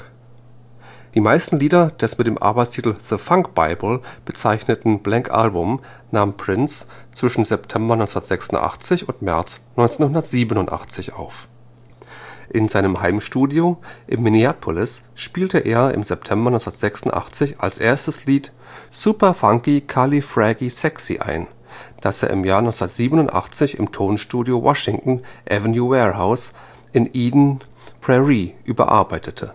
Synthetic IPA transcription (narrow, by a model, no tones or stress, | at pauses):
d̥iːmaɪstn̩liːdɐd̥ɛsmɪtd̥eːmʔa̰ɐbaɪt͡stʰiːtl̩ðəfaŋkb̥a̰ɪbl̩b̥ət͡saɪçnətn̩b̥lɛŋkʔa̰lbʊm | naːmpʁ̥ɪnst͡sv̥ɪʃn̩zɛp̚tʰɛmbɐnɔʏnsndɐtz̥ɛksʊn̩tʔa̰χt͡sɪçʊntmɛɐt͡snɔʏnt͡seːnhʊndɐtz̥iːbənʊntʔa̰χt͡sɪçʔa̰ʊf | ʔɪnzaɪnəmhaɪmʃtuːdjoʔɪmːiniaːpʰʊlɪs | ʃpiːltəʔeːɐɪ̰mzɛp̚tʰɛmbɐnɔʏt͡snɐtz̥ɛksʊntʔa̰χt͡sɪça̰lsʔeːɐstəsliːt | supɐfaŋkikʰalifʁɛɡisɛksḭʔa̰ɪn | d̥asḛːɐɪ̰mjaːɐnɔʏsndɐtz̥iːbənʊntʔa̰χt͡sɪçɪ̰mtʰoːnʃtuːdjowʔɔʃɪŋtn̩ʔɛ̰vənjuːwɛːʁhaʊs | ʔɪnʔiːdn̩ | pʁ̥ɛʁiʔyːbɐ̰ʔa̰ɐbaɪtʰətʰə